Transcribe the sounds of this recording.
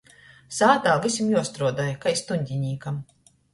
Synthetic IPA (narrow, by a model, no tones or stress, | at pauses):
saːt̪aːvisʲimjuɔst̪ɾuɔd̪ajkajst̪uɲʲd̪ʲiɲiːkam